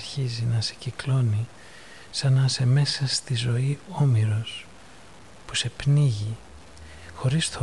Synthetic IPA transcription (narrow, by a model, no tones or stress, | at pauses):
ɾçizinɐse̥ciklo̞ni | sɐnɐse̞me̞sɐst̪izo̞io̞miɾo̞s | pu̥se̞pniʝi | xo̞ɾist̪ʰo